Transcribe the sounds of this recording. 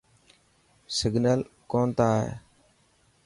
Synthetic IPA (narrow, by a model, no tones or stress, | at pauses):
sɪɡnəlkoːnt̪aːɦḛː